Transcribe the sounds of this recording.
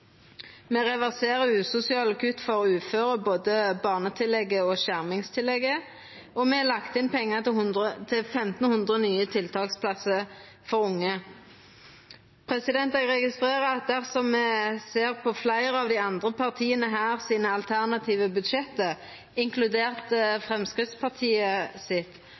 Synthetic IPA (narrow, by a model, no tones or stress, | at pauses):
meːʁɛʋæʁseːʁəʉːsʊsɪɑːlɑkʰʉt̪fɔʁʉːføːʁəboːd̪əbɑːʁnət̪ʰɪlɛɡːəoʃæʁmɪŋst̪ʰɪlɛɡə | ɔmɛlɑkt̪ɪnpʰɛŋːət̪ət̪ʰɪlfɛmt̪nhʉnd̪ʁənyːət̪ʰɪlt̪ʰɑːlspʰlɑsə | fɔʁʊŋːə | pʰʁɛsɪd̪ɛnt̪ɛɡʁɛɡɪst̪ʁeːʁəɑt̪̚d̪æʁsɔmːɛseːʁpʰɔflæɪʁəɑːʋd̪iɑnd̪ʁəpʰɑʁt̪ʰiːənəɦæːʁsiːnəɑlt̪ʰæʁnɑt̪ʰiːʋəbʉd̪ʃɛt̪ə | ɪŋkʰlʉd̪eːʁt̪əfʁɛmskʁɪt̪spʰɑʁt̪ʰiːəsɪt̪